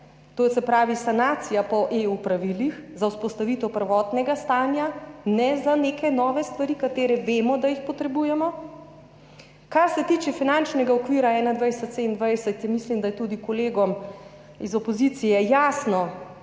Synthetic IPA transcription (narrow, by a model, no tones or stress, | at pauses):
t̪osɛpɾaːʋisanaːt̪sijapɔʔeupɾaʋilixzawspɔst̪aʋiːt̪ɔwpəɾʋɔːt̪nɛɡast̪aːnjanɛzanekɛnɔːʋɛst̪ʋaɾikat̪eːɾɛʋeːmɔd̪ajixpɔt̪ɾɛbuːjɛmɔ | kaɾsɛt̪iːt͡ʃɛfinant͡ʃnɛɡaɔkʋiːɾaɛːnad̪ʋajsɛt̪seind̪ʋajsɛt̪jɛmislimd̪ajɛt̪ud̪ikɔleːɡɔm | izɔpozit̪sijɛjaːsnɔ